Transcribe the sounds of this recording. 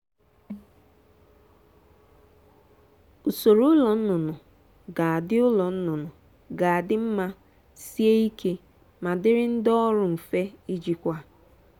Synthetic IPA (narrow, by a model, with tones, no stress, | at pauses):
ʊ˨so˨ɾo˦ʊ˦lɔ˨n̩˦nʊ˨nʊ˨ | ɡa˨a˨dɪ˦ʊ˦lɔ˨n̩˦nʊ˨nʊ˨ | ɡa˨a˨dɪ˦m̩˦ma˦ | si˦e˦i˦kʰe˦ | ma˨dɪ˦ɾɪ˦n̩˦dɔ˦ɾʊ˨m̩˨fe˦i˦d͡ʒi˨kʷa˦